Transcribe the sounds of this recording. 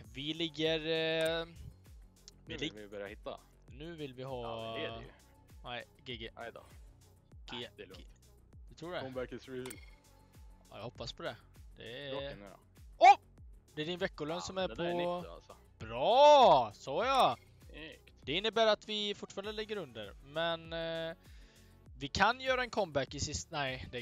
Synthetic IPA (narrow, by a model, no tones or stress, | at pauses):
vɪlɪɡːəɾ | ɪɪbœɾahɪt̪ːa̰ | nʉ̟ːvɪlvɪɦɑ̰ː | nɛɪ | ɡɪɡɪ | d̪ɛt̪ʰɾuːɖɛmæksi | jɑ̰hɔpːaspʰɔd̪ɛ | d̪̥ɛ̰ | ɔ | d̪ɛæɖɪnvɛkːʊlœnsɔmæɾpʰɔ̰ | b̥ɾɑːsɔja | d̪ɛɪnːəbæːɾat̪vɪfʊʈfɑːɾnd̪əlɪɡːəɾɵnd̪əɾmɛn | vɪkʰanjœːɾaɛnkʰɔmbækːɪsɪsnæɪd̪ɛ